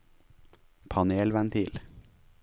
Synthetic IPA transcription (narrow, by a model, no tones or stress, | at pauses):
pʰɑneːlʋænt̪ʰiːl